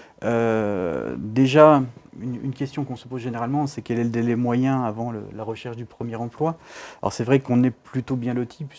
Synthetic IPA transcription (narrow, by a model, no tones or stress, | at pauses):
ø | d̪eʒayny̰nkʲɛst̪jɔ̃kɔ̃səpozʒeneʁalmɑ̃sɛkʲɛlɛləd̪elɛmwajɛ̃avɑ̃lə̰laʁəʃɛʁʃd̪ypχəmjɛʁɑ̃plwalɔ̰ʁsɛvʁɛkɔ̃nɛplyt̪objɛ̃lot̪ʰip